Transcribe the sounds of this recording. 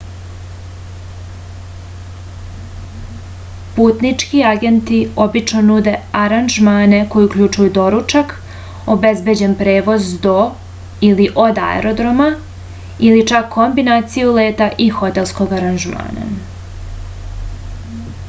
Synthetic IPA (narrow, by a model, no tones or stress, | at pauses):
puːt̪nit͡ʃkiaɡe̞nt̪iobit͡ʃno̞nud̪e̞aɾanʒmaːne̞ko̞jiukʎut͡ʃujud̪o̞ɾut͡ʃak | obe̞zbe̞d͡ʑe̞npɾe̞ːʋo̞zd̪o̞ | iliʔo̞d̪a̰ḛɾo̞d̪ɾo̞ma | ilit͡ʃakʰːo̞mbinaːt̪sijule̞ːt̪aʔixo̞t̪e̞lˠsko̞ɡaɾanʒma̰ːna̰